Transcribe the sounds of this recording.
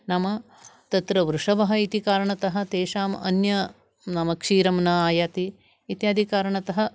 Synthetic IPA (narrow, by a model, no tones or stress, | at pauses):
nɐmɐ | t̪ɐt̪ɾɐʋɾuʂɐʋɐɦɐ̆it̪ikaːɾɐɳɐt̪ɐɦɐ̆t̪eːʃaːmɐ̰njɐ | nɐmɐkʂiːɾɐmnɐaːjaːt̪iː | t̪jaːd̪ʱikaːɾɐɳɐt̪ɐɦɐ̆